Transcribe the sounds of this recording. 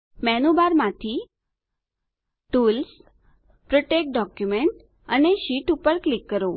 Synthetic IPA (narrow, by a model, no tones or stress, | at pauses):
mɛnubaɾmãt̪ʰi | ʈuls | pɾoʈek̚ɖɔkjumeɳʈ | əneʃiʈupəɾklikːəɾo